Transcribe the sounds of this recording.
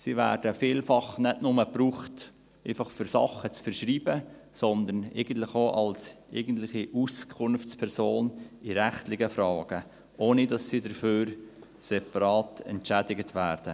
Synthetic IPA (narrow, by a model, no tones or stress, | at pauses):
sivæ̰ːɾd̥əfiːlfɑχnɛdnʊməpɾuːχt | ɛɪfɑχfʏɾsɑ̰χːət͡sfəɾʃɾiːbə | sɔnd̪ənɛ̰ɪɡən̩tlɪχoʔɑlsʔɛɡən̩tlɪχiʔuskʰʊnft͡spʰɛɾsoːnɪɾæχtlɪɡəfɾɑːɡ̥ə | ʔoːnidɑsːidəɾføːɾ | sɛpɑɾɑːtɛ̰ntʃædɪɡətʰʋæːɾd̥ə